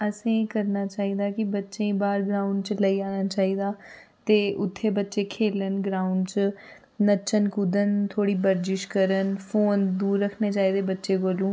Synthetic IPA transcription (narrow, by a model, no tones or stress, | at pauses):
əsĩːkəɾnaːt͡ʃaːiːd̪aːkɪbətːʃẽĩːbaːɾɡɾaːuɳɖt͡ʃləiːaːnaːt͡ʃaːiːd̪aː | t̪eːʔʊt̪ʰːeːbətːʃeːkʰeːlənɡɾaːuɳɖt͡ʃ | nət͡ʃənkud̪ənt̪ʰoːɽiːbəɾd͡ʒɪʃkəɾənpʰoːnd̪uːɾːəkʰneːt͡ʃaːiːd̪eːbətːʃeːkoːlũː